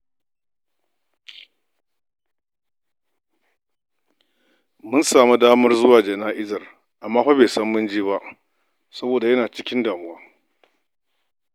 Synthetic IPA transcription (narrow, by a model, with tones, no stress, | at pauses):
mʊ˦nsaː˨mu˦daː˦mɐ˦rzʊ˦waː˨d͡ʒɐ˨naː˦ʔɪ˦zɐ˨r | ʔa˨mːaː˦ɸa˦beː˨sɐ˦mːʊ˦nd͡ʒiː˦ba˦ʔ | sɐ˦boː˨da˨jɐ˦naː˨t͡ʃɪ˦kʲɪ˦ndaː˨mʊ˦waː˦